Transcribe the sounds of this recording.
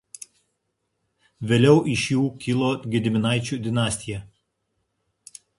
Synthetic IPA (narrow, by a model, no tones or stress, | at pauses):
ʋʲeːlʲɛʊʔɪʃjuːkʲɪlˠoːɡʲɪd̪ʲɪmʲɪnɑˑɪt͡ʃʲuːˑd̪ʲɪnɑːsʲt̪ʲɪjɛ